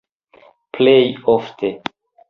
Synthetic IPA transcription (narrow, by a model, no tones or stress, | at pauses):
plejoftʰe